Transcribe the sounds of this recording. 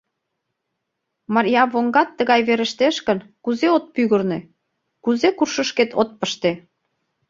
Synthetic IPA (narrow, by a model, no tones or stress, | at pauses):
mɑɾjɑβoŋɡɑt̪ːəɣɑjβeɾə̆ʃt̪eʃkə̆nkuzeot̪̚pyɣə̆rnĕ | kuzekurʃəʃket̪ʰot̪̚pəʃt̪e